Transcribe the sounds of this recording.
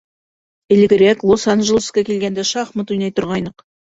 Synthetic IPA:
ɪ̆lɪ̆ɡʲɪɾeklˠosɑnʒəlˠskɑkʲelɡʲend̪ɪʃɑχmət̪ujnɑjt̪ʊɾʁɑjnəq

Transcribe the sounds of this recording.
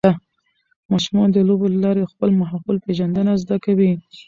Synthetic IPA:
a | mɑʃumɑnd̪əlobolalɑɾexpəlmaɦawɪlpeʒand̪ənazd̪akawi

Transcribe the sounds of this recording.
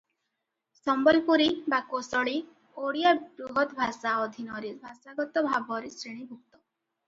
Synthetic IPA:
sɔmbɔlpuɾibakosɔɭi | oɽijabɾuɦɔt̪bʱasaɔd̪ʱinɔɾibʱasaɡɔt̪ɔbʱabɔɾisɾiɽ̃ibʱuk̚t̪ɔ

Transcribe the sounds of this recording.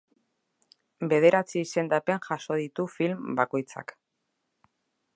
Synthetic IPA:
be̞ð̞e̞ɾat͡siːse̞nd̪ape̞ŋʝaso̞ð̞it̪ufilmbako̞jt͡sa̰k

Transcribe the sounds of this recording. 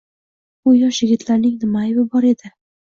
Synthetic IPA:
ʊjɒʃjɪɡʲɪt̪laɾnɪŋnɪmaɪbɪbɒɾe̞d̪ɪ

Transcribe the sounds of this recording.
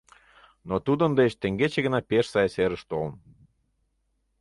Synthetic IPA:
not̪ud̪ə̆nd̪et͡ɕt̪eŋɡet͡ɕeɣə̆nɑpeʃsɑjseɾəʃt̪oln

